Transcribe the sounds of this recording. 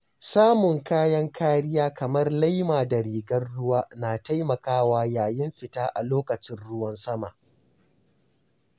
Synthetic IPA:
saː˦mʊ˨ŋkaː˦jɐ˦ŋkʰaː˦ɽɪ˦jaː˦kɐ˨mɐ˦rla˦jmaː˨dɐ˨ɾiː˨ɡɐ˦rɽʊ˦waː˦naː˨ta˦jmɐ˨kaː˦waː˦jaː˨jɪ˦mɸɪ˨taː˦ʔa̰˨loː˦kɐ˨t͡ʃɪ˦nɽʊ˦wɐ˦nsɐ˦ma̰˨ʔ

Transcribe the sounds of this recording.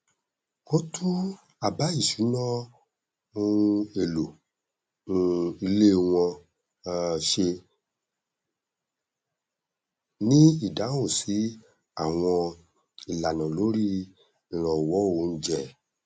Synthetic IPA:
o˦tʰu˦ | a˨ba˨˦i˦˨ʃu˨˦nɔ̃˦ | ũ˦˧˦e˨lo˨ | ũ˧i˧le˦˨w̃ɔ̃˧ | ʃe˧ | nĩ˦i˦˨da˨˦o˦˨si˨˦ | a˦˨w̃ɔ̃˧ | i˨la˨nã˨lo˨˦ɾĩ˦˨ | ɾ̃ɔ̃˨wɔ˨˦o˧˨˧n̩˦d͡ʒɛ˦˨

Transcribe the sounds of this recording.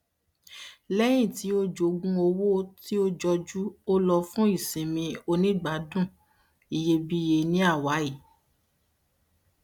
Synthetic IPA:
lɛ˦j̃ĩ˦˨ti˨˦o˦d͡ʒo˨˧ɡ͡bũ˧o˧wo˦ti˦o˦d͡ʒɔ˧d͡ʒu˦o˦lɔ˧fũ˦i˦˨sĩ˨mĩ˧o˧nĩ˦ɡ͡ba˨˦dũ˦˨ | i˨je˧˦bi˦je˧nĩ˦a˦˨wa˨˦i˦˨

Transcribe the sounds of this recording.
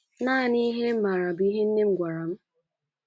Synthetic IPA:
naː˦˨ni˦ɦe˦m̩˦ma˨ɾa˨bi˦ɦe˦n̩˦ne˦m̩˦˨ɡʷa˨ɾa˨m̩˦

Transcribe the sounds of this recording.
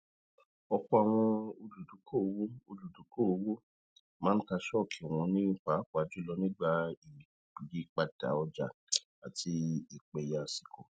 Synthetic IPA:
ɔ˧ku˦a˨w̃ɔ̃˧o˧lu˨du˨˦kʰo˦˨o˧wo˦o˧lu˨du˨˦ko˦o˧wo˦ | mã˦n̩˦ka˧ʃɔ˦˨kʰi˨w̃ɔ̃˧nĩ˦k͡pa˨˦k͡pa˨d͡ʒu˦lɔ˧nĩ˦ɡ͡ba˦i˨ | k͡pi˨ɡi˨˦k͡pa˧d̥a̰˨˦ɔ˧d͡ʒa̰˨ | a˨tʰi˧i˨k͡pe˨ja˨si̥˨kʰo˨

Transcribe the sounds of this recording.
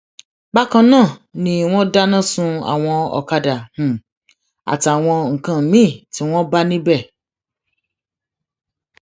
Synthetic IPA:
ɡ͡ba˦kã˧nãː˦˨nĩ˦w̃ɔ̃˦da˦nã˦˨sũ˧a̰˨w̃ɔ̃˧ɔ̰˨ka˧da˨hũ˨ | a̰˨ta˨w̃ɔ̃˧ŋ̩˨kã˨mĩ˦˨ti˦w̃ɔ̃˦ba˦nĩ˦bɛ˦˨

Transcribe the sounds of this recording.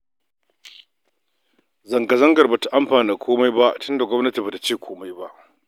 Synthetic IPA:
zɐ˨ŋɡɐ˨zɐ˦ŋɡɐ˨rbaː˨ta˨ʔa˦mɸaː˨niː˦kʷʰoː˦ma˦jba˦ʔtʊ˦nda˨ɡʷɔ˦mnɐ˦ti˨baː˨ta˦t͡ʃeː˦˨kʷʰoː˦ma˦jba˦ʔ

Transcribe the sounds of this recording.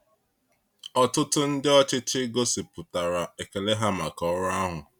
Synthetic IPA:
ɔ˨tʊ˦tʊ˦n̩˦dɪ˦ɔ˦t͡ʃɪ˦t͡ʃɪ˦ɡo˦sɪ˨pʊ˨ta˨ɾa˨e˨ke˨le˦ɦa˦ma˨kɔ˦ɾʊ˦a˦ɦʊ˨

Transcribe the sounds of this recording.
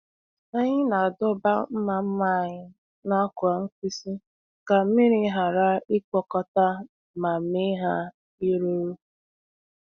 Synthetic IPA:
a˦ɲɪ˦na˨a˨dʊ˦ba̰˦m̩˦ma˨m̩˦ma˦˨ɲɪ˦ | na˦kʊ˨a˨ŋ̩˦ki˦si˦ | ka˨˦mɪ˦ɾi˦ɦa˨ɾa˦ɪ˦kɔ˨kɔ˨ta˦ | ma˨mɪ˦ɦa˦ | i˦ɾo˦ɾo˦

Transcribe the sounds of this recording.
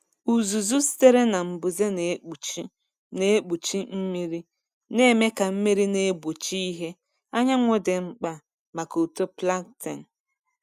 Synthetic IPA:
u˨zu˨zu˦si̥˦te˦ɾe˦na˨m̩˨bu˨ze˦ne˨˦˨ | ne˦k͡pu˨t͡ʃi˦m̩˦mi˦ɾi˦ | ne˦me˦ka˨m̩˦me˦ɾi˦ne˦bu˨t͡ʃi˦i˦ɦe˦ | a˦ɲa˦ŋʷʊ˦de˨ŋ͡m̩˦k͡pa˦ | ma˨ko˨to˦pla˦ɡte˨n̩˨

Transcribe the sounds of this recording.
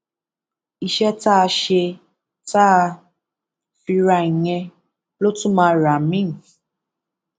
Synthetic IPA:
i˨ʃɛ˦ta˦˧ʃe˧ | ta˦˧ | fi˧ɾa˧˨i˨ɲɛ̃˧ | lo˦tũ˦mãː˧˦ɾa˨mĩ˦˨

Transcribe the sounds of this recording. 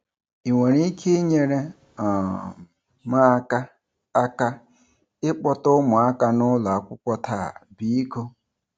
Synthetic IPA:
i˨ŋʷe˨ɾi˦kʰe˦ɲe˨ɾe˦ | ɔ˨ | ma˦ka˦ | a˦ka˦ | ɪ˦k͡pɔ˦tʊ˦mʊ˨a˦ka˦nʊ˦la˨a˦˨kʷʊ˦kʷɔ˦tʰa˦˨a̰˨bi˦i˦ko˦

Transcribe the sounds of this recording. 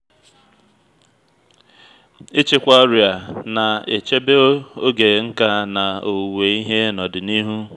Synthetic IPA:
ɪ˦t͡ʃɪ˦kʷa˦ɔ˦ɾi˨a˨na˨e˨t͡ʃe˦be˦o˦ɡe˨ŋ̩˦ka˦na˨o˨we˨i˦ɦe˦nɔ˨dɪ˨ni˦ɦu˦

